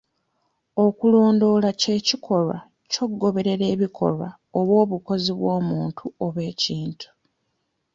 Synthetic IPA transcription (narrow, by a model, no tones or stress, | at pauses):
o̞kulo̞ːndo̞lace̞ːcikʰo̞lwa̰ | co̞ɡːo̞βe̞ɾe̞ɾe̞ːβikʰo̞̰lwa̰ | oβwo̞ːβuko̞ziβwo̞ːmuːntʰuoβwe̞ːciːntʰu̥